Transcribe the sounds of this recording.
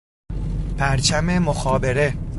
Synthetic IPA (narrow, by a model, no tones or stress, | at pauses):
pʰæɾt͡ʃʰæme̞moxɒːbe̞ɾe